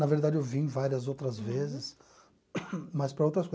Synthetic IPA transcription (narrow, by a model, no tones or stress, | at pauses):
nɐveɾd̪ad͡ʒɪewvĩvaɾiɐzowt̪ɾɐzvezɪs | mɐspɾɐowt̪ɾɐsko